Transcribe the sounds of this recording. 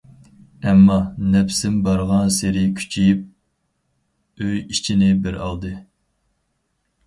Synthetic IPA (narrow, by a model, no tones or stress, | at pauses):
ɛmːɑnɛpsɪmbɑɾʁɑnseɾɪkʲʰy̥t͡ʃʰijip̚ | øjit͡ʃʰinɪbɪɾɑ̰lˠd̪ɨ